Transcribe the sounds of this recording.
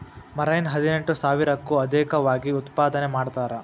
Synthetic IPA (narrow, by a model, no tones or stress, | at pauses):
mɐɾɐjnɦɐd̪ineɳʈusaːʋiɾɐkːuɐd̪ɛːkɐʋaːɡiut̪paːd̪ɐnemaːɖt̪aːɾɐ